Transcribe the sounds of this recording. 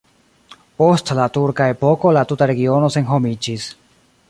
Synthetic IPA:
po̞stlatuɾkae̞po̞ko̞latutaɾe̞ɡio̞no̞se̞nɦo̞mid͡ʒis

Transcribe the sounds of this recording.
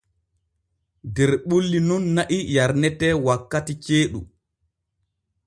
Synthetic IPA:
dɛɾɓulːinunːaʔijaɾnɛtɛːwakːatit͡ʃeːɗṵ

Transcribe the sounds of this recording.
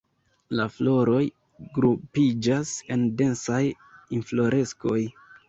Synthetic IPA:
laflo̞ɾo̞j | ɡɾupid͡ʒase̞nde̞nsaj | inflo̞ɾʔe̞sko̞j

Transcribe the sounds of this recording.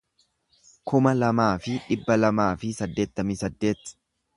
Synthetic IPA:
kʊmɐlɐmaːfɪᶑɪbːɐlɐmaːfɪsɐd̪ːe̞ːt̪ːɐmisɐd̪ːe̞ːt̪ː

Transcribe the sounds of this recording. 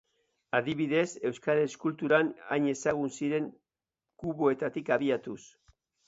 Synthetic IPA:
aðiβiðe̞se̞wskaɾeskult̪uɾana̰jɲe̞saɣ̞unsiɾe̞ŋ | kuβoe̞t̪at̪ikaβiat̪us

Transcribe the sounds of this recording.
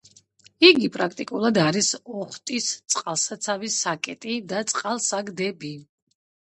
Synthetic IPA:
iɡipʼɾakʰt̪ʼikʼulˠad̪aɾisɔχt̪ʼist̪sʼqʼalˠsat̪sʰavisakʼɛt̪ʼid̪at̪sʼqʼalˠsaɡd̪ɛbi

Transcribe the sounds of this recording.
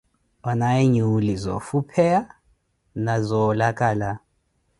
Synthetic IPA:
ɔnaiɲuulizɔ̰fupʰɛja | nazɔːlakʼaːla

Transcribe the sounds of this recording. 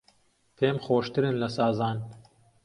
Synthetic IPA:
feːmxoːʃt̪ɨɾɨnlɐsɑːzɑːn

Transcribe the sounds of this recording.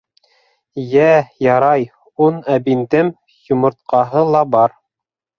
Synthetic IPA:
jæjɑɾɑj | unæbind̪ɘm | jŭmŏɾt̪̚qɑɦɤlˠɑbɑɾ

